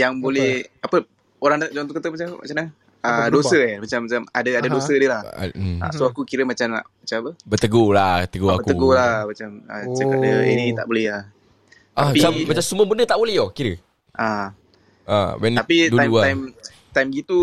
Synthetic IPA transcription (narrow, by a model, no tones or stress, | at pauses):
jaŋbolɛhapə | oɾaŋd͡ʒãnt̪ukət̪əmat͡ʃaa̰t͡ʃamna | ədosəmat͡ʃamːat͡ʃama̰dəadadosədəlaha̰soakukiɾəmat͡ʃama̰mat͡ʃamapəbət̪əɡolat̪əɡoabəkt̪əɡolamat͡ʃamət͡ʃəkədəḛnit̪a̰ʔbolɛha | apiammat͡ʃamsuməbənət̪aʔbolɛhokiɾə | ʔa | a̰wɛnapid̪amaajm | t̪ajmɡit̪u